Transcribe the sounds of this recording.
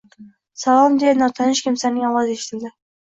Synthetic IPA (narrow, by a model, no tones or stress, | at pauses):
salˠɒmd̪enɒt̪ʰɑnɪʃkʲʰɪmsanɪŋɒlˠɒzeʃɪ̥t̪ʰɪld̪ɪ